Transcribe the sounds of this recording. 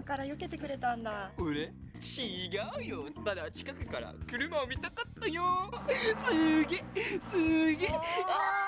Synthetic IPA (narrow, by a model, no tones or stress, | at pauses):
kaɾajoke̞t̪e̞kɯ̟ɾe̞t̪ãnd̪aɯ̟ɾe̞ | t͡ɕiɡaɯ̟jot̪ad̪at͡ɕi̥kakɯ̟kaɾa̰kɯ̟ɾɯ̟maomʲit̪akat̪ːajosɨɡesɨɡeːa